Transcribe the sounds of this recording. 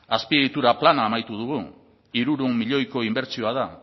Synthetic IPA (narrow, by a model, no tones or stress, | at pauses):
aspieðit̪uɾaplanaːmajt̪uð̞uɣ̞u | iɾuɾumːiʎo̞jko̞imbe̞ɾt͡sio̞að̞a